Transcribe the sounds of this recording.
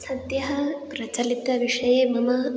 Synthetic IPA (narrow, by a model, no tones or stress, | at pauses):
sɐd̪jɐɦɐpɾɐt͡ʃɐlit̪ɐʋiʂɐjeːmɐmɐ